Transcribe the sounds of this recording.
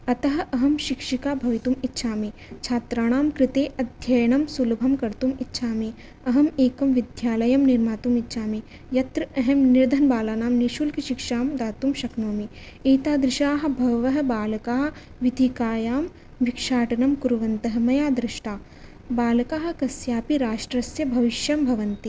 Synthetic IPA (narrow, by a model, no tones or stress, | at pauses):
ɐt̪ɐɦɐ̆ɐɦɐmʃikʂikaːbʱɐʋit̪umitːʃʰaːmit͡ʃʰaːt̪ɾaːɳ̃aːmkɾɪt̪eːʔɐd̪ʱjɐjɐɳɐmsulbʱɐmkɐɾt̪umitːʃʰaːmi | ɐɦɐmeːkɐmʋid̪ʱjaːlɐjɐmniɾmaːt̪umitːʃʰaːmi | jɐt̪ɾɐɐɦɐmniɾd̪ʱɐnbaːlaːnaːmniʃulkiʃikʃaːmd̪aːt̪umʃɐknoːmi | eːt̪aːd̪ɾɪʃaːɦɐ̆bʱɐʋɐɦɐ̆baːlɐkaːɦɐ | ʋid̪ʱikaːjaːm | ʋikʂaːʈɐnɐmkuɾʋɐnt̪ɐɦɐ̆mɐjaːd̪ɾɪʃʈaː | baːlɐkaːɦɐ̆kɐsjaːpiɾaːʃʈɾɐsjɐbʱɐʋiʃjɐmbʱɐʋɐnt̪i